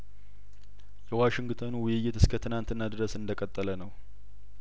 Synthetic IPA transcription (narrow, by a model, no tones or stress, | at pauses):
jɛwaʃɪŋɡt̪ʰonwʊjɪjːɪt̪ɨskʰət̪ʰɨnant̪ɨnːad̪ɨɾəsɨnd̪əkʼət̪ʼːələnəw